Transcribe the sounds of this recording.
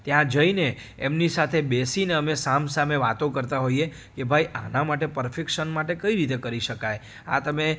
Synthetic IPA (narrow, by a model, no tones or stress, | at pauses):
t̪jãd͡ʒəineː | mnisat̪ʰebesineəmesamsameʋat̪õkəɾt̪aɦoie | kebʱaiʔanamaʈ̬epəɾfʰekʃənmaʈekəiɾit̪ekəɾiʃəkaj | at̪əme